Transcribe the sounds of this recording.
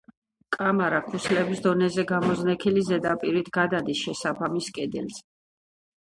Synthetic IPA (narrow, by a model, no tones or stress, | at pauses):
kʼamaɾakʰusʰlɛbisd̪ɔnɛzɛɡamɔznɛkʰilizɛd̪apʼiɾit̪ʰɡ̥ad̪ad̪isʃɛsapʰamiskʼɛd̪ɛ̰lz